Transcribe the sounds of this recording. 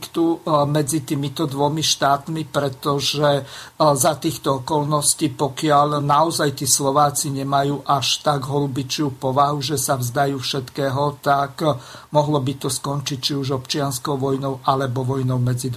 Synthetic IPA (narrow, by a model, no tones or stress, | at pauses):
kt̪umɛd͡zit̪iːmit̪ɔd̪ʋɔmiʃt̪aːt̪mipɾɛt̪ɔʒɛzat̪iːxt̪ɔɔkɔlnɔsciːpɔkɪaʎnaɔzajt̪iːslɔʋaːt͡siɲɛmajuːʔaʃt̪aɡɦɔlubit͡ʃɪuːpɔʋaɦuʒɛsavzd̪ajuːfʃɛt̪kɛːɦɔt̪akmɔɦlɔbit̪ɔskɔnt͡ʃic̚t͡ʃiuʒɔpt͡ʃɪanskɔʊʋɔjnɔʊʔalɛbɔʋɔjnɔʊmɛd͡zid̪